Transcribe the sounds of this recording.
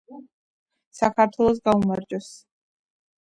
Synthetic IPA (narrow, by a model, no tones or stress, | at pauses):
sakʰaɾt̪ʰwɛlˠɔs̬ɡaumaɾd͡ʒʼɔs